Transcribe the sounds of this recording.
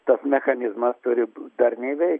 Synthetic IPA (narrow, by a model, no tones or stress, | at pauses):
t̪ɐsmʲɛxɐnʲɪzmɐst̪ʊɾʲɪd̪ɐrnʲɛɪʋʲɛɪk